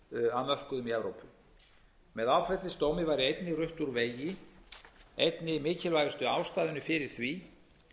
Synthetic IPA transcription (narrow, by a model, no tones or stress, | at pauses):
aðmœl̥kʏðʏmiɛvɾowpʏ | mɛðawfɛt̪lɪst̪oːwmɪvaːjɾɪejt̪nɪrʏht̪uɾveːjɪ | ejt̪nɪmɪːcɪlvajɣʏst̪ʏawst̪aːðʏnʏfɪɾɪɾ̥θvi